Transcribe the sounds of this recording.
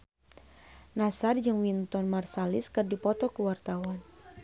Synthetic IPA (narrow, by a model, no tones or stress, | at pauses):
nasard͡ʒɨŋwint̪ɔnmarsaliskɨrdipɔt̪ɔkuwart̪awan